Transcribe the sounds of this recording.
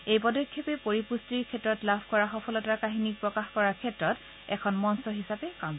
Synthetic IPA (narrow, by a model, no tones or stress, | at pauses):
ejpɔdɔkʰːjɔpɛpoɹipustɹiɹkʰɛtɹɔtlabʱkɔɹaxɔpʰɔlɔtakaɦinik̚pɹɔkaxkɔɹakʰɛtɹɔt | ɛ̰kʰɔnmɔnsɔɦisapɛkam